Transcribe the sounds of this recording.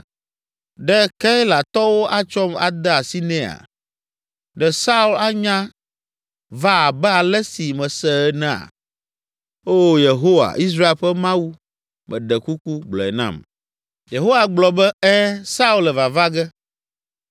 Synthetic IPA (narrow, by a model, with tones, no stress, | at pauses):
ɖɛ˦ka˦i˦la˨t̪ɔ˦wo˦ʔa˦t͡ʃɔ˦ma̰˨d̪ɛ˦a˨si˦nɛ̃˦a̰˨ | ɖɛ˨sa˦u˦la˦ɲã˦ | va˦a˨bɛ˦a˨lɛ˦si˨mɛ̃˨sɛ˨ɛ˦nɛ̃˨a̰˨ | o˦je˨ɦo˦wa̰˨ʔi˦s̬ɾa˦e˦˨ɸɛ˦mã˦wu˦ | mʔɛ̰̃˨ɖɛ˨ku˦ku˦ɡ͡blɔ̰˨ɛ̰˨nã̰˦m | je˨ɦo˦wa˨ɡ͡blɔ˨bɛ˦ɛ˦sa˦u˦lɛ˨va˨va˦ɡɛ˦